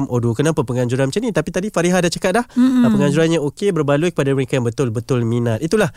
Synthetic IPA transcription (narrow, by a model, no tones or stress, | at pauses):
mʔodukənãmpapəŋaɲd͡ʒuɾanmət͡ʃanĩt̪apit̪adifaɾiɦadat͡ʃakat̪̚lahəpəŋaɲd͡ʒuɾanɲaokebərbalukə̥padaməɾekajaŋbət̪ʊlbət̪ʊlminat̪̚it̪ulah